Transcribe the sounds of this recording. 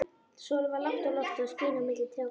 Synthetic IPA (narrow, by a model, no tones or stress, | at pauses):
sɔːlvalaht̪alɔft̪ʏɔspʏːnamɪt̪lɪt̪ʰɾjaw